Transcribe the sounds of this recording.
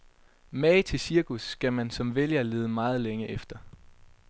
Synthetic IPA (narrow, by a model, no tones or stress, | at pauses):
mɛɪt͡sʰe̝lsiɐkʰusːɡ̥æmænsɒ̽mʋeljɐle̝ːð̞ˠəmɑ̈ːð̞̩ˠleŋəʔefd̥ɐ